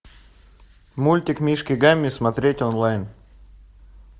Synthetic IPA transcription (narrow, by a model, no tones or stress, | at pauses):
mulʲtʲɪkmʲiʂkʲɪɡamʲːɪsmɐt̪ɾʲetʲɔnlˠajn